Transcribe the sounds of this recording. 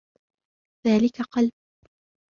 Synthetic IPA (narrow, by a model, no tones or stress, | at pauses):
ðaːlɪkaqɑlb̚